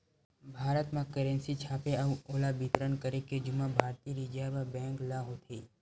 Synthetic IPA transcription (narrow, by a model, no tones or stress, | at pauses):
bʱaːɾət̪mãkəɾẽnsit͡ʃʰaːpeəʋolabit̪ɾənkəɾeked͡ʒumãbʱaːɾt̪iɾid͡ʒababɛ̃ŋklaɦot̪ʰiː